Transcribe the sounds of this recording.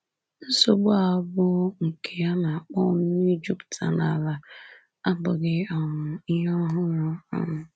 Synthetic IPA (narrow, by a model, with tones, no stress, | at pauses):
n̩˦so˨ɡ͡bʊ˦a˨˦bʊ˦ŋ̩˨kʰe˨ja˦na˨k͡pɔ˦˨m̩˦i˦d͡ʒu˦ptʰa̰˨na˨la˨ | a˦bʊ˨ɡɪ˦ɔ˨ŋʊ˨i˦ɦɔ˦ɦʊ˦nʊ˦ɔ̰˨ŋʊ˨